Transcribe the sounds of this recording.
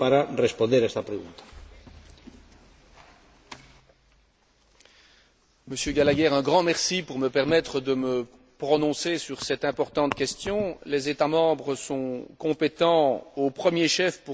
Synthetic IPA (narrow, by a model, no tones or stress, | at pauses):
paɾarespõnd̪eɾaɛst̪apɾeɣṵ̃nt̪ḁ | məsjøɡalaɡɛʁɛ̃ɡʁɑ̃mɛʁsipuʁməpɛʁmɛt̪χəd̪əmə | pχɔnɔ̃sesyʁsɛt̪ɛ̃pɔʁt̪ɑ̃t̪kʲɛst̪jɔ̃lezet̪amɑ̃bʁəsɔ̃kɔ̃pet̪ɑ̃opχəmjeʃɛfpu